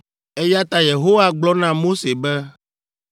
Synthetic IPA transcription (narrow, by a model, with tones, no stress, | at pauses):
e˦ja˦t̪a˦je˨ɦo˦wa˦ɡ͡blɔ˦nã˦mo˦se˨bɛ˦